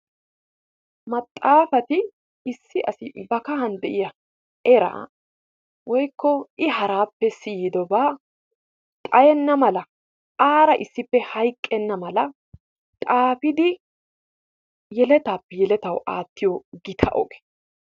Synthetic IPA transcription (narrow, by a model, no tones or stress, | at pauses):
mɐt̪ʼːaːfɐt̪ɪ | ɪsːɪʔɐ̰sɪbɐkɐɦɐnd̪ɛʔɪjɐ | ʔɛɾa̰ː | wɔjkːɔɪɦɐɾaːpːɛsijɪd̪ɔbaː | t̪ʼɐjɛnːɐmɐlɐ | ʔaːɾɐʔɪsːɪpːɛhɐjkʼːɛnːɐmɐlɐ | t̪ʼaːfɪd̪ɪ | jɛlɛt̪aːpːɛjɛlɛt̪ɐwʔa̰ːt̪ːɪjoɡɪt̪ʰɐ̰ʔɔ̰ɡe̥